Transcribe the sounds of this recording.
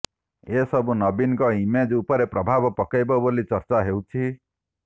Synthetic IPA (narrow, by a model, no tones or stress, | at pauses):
esɔbunɔbinɔkɔimed͡ʒupɔɾepɾɔbʱabɔpɔkajbɔbolit͡ʃɔɾt͡ʃaɦewt͡ʃʰi